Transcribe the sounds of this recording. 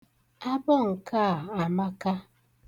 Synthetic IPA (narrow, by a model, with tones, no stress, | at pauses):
a˦bɔ˦˨ŋ̩˨ka˦˨a˨ma˦ka˦